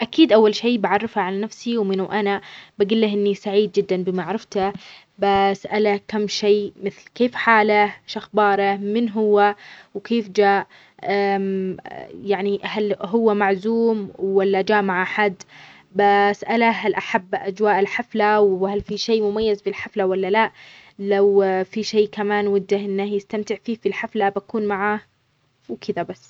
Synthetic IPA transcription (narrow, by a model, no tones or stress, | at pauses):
ʔakiːd̪ʔawːalʃeːbaʕɑrˤːɪfaʕalanafsiwmɪnuʔanabaɡɪlːahʔɪnːisaʕiːd̪̚d͡ʒɪd̪ːanbɪmaʕɾˤɑft̪a | basʔalakamːʃeːmɪθlkeːfħaːlaʃaxbɑːɾˤamɪnɦʊwːawkeːfd͡ʒaːʔ | ʔam | jaʕnihalɦʊwːamaʕzuːmwːalːad͡ʒaːʔmaʕʔaħad̪ː | basʔalaɦalʔaħabːʔad͡ʒwaːʔɪlħaflawhalfiʃeːmʊmajːazbɪlħaflawalːalaʔlawfiʃeːkamaːnwɪd̪ːahʔɪnːahjɪst̪amt̪ɪʕfiːfilħaflabakuːnmaʕa | wkʰɪd̪abasː